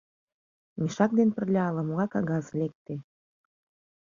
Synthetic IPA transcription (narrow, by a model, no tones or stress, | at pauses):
miʃɑk̚d̪enpə̆rlʲɑɑlə̆moɣɑkɑɣɑzlʲek̚t̪e